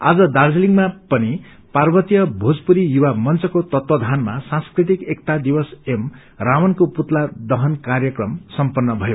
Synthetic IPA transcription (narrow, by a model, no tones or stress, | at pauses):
a̰d͡zʌd̪ard͡zliŋɡmapʌni | parbʌt̪ijʌbʱod͡zpuɾijuwamʌnt͡sʌkot̪ʌt̪wʌd̪ʱanma̰sãnskrit̪̬ikekt̪ad̪ibʌsem | rawʌnkoput̪lad̪ʌɦʌnkarjʌkrʌmsʌmpʌnːʌbʱʌjo